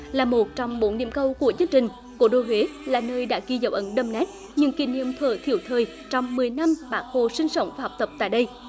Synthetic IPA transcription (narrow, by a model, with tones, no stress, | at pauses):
laː˨˩mo˨˩t̚t͡ɕɔ˧wŋ͡mɓo˨˦nːḭ˧˨əmkə˧wku˧˩ət͡ɕɨ˧əŋt͡ɕï˨˩ŋ̟ | ko̰˧˩˦ɗo˧˩we˨˦laː˨˩nəː˧jɗa̰ː˧˥ki˧zə˧˩wʔə˨˦nɗə˧mnɛ˦˥t̚ | ɲɨ̰˧ŋki˧˩nḭ˧˨əmt̪ʰəː˨˩t̪ʰḭ˧˩əwt̪ʰəː˨˩j | t͡ɕɔ˧wŋ͡mmɨ˨˩əjna˧mɓaː˨˦nho˨˩sï˧ŋ̟sə˧˦wŋ͡mvaː˨˩hɔ˨˩wk͡p̚t̪ə˨˩p̚t̪a̰ː˧˨jɗə˧j